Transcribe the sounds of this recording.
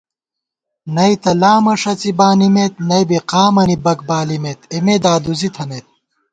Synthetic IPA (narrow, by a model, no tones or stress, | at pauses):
nɐit̪ɐlaːmɐʂɐt͡sibaːnimet̪̚nɐjbiqaːmɐnibɐkbaːlimet̪emed̪aːd̪uzit̪ʰɐmet̪̚